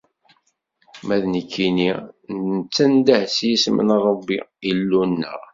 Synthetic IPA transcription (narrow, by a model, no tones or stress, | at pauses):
mæðnəkʰːininnət͡sːænd̪æhsjismə̰nɾˤəbːiilːunːə̰ʁ